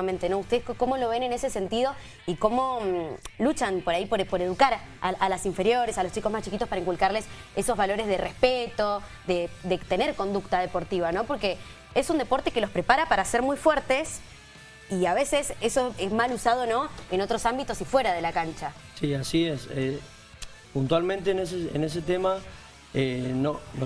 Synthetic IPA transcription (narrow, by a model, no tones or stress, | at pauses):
amẽnt̪eno̞ust̪e̞ðeskko̞mo̞lo̞βe̞nenesese̞nt̪iðo̞ | iko̞mo̞ | lut͡ʃanpo̞ɾaipoɾpo̞ɾe̞ð̞ukaɾaʔalasiɱfe̞ɾjo̞ɾesalost͡ʃiko̞zmaht͡ʃikit̪opaɾaiŋkulkaɾleseso̞zβalo̞ɾezðerehpet̪o̞ | ðed̪et̪eneɾko̞nd̪uk̚t̪að̞epo̞ɾt̪iβ̞ano̞po̞ɾke | esund̪e̞po̞ɾt̪e̞kelo̞spɾepaɾapaɾaseɾmujfweɾt̪es | iaβe̞sesesoezmalusað̞o̞no̞eno̞t̪ɾo̞sambit̪o̞sifwe̞ɾað̞e̞lakant͡ʃa | siasiese | punt̪walmẽnt̪eneseḛnes̬et̪ema | enon